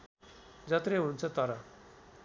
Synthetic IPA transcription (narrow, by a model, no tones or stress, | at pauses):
d͡zat̪ɾeɦunt͡sət̪aɾa